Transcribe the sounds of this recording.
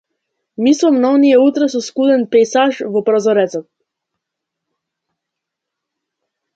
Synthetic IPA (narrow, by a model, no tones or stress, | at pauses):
mislˠɔmnaɔnijɛut̪ɾɛsɔskud̪ɛnpɛjsaʒvɔpɾɔzɔɾɛt̪sɔt̪̚